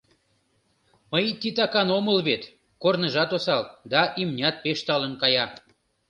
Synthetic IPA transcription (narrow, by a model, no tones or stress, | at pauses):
məjt̪it̪ɑkɑnoməlβet̪ | kornəʒɑt̪osɑld̪ɑʔimnʲɑt̪̚peʃt̪ɑlənkɑjɑ